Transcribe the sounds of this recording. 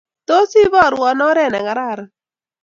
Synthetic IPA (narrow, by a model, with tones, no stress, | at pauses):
to˦si˦βɔ˦˨ɾɔ˨nɔ˦ɾɛ˦˨na˨ɡa˨ɾa˦˨ɾa˨